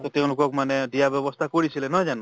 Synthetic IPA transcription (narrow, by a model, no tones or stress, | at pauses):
t̪ɔt̪eʊ̃lukɔkmaneɖijabjɔbɔst̪ʰakɔɾisʰilenɔd͡ʒanu